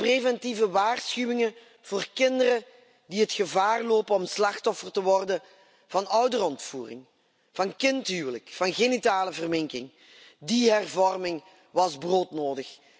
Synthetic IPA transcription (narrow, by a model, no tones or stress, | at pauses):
prevɛntivəʋaːrsxywɪŋə | v̥oːrkɪndərə | diɦətxəvaːrloːpənɔmslɑxtɔfərtəʋɔrdə | v̥ɑnœwdərɔntfuːrɪ̰ŋ | v̥ɑnkɪntɦyːwələkfɑnɣenitaːləvərmɪŋkɪŋ | diɦɛrvɔrmɪŋ | ʋɑzbroːtnoːdəx